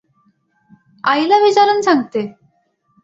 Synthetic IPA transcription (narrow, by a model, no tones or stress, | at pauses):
ajlabit͡ɕaɾənsʰãŋt̪e